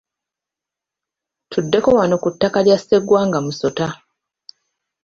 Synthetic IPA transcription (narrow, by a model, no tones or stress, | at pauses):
tʰudːe̞ko̞wano̞kutːakaɾjasːe̞ɡwaːŋɡamuso̞ta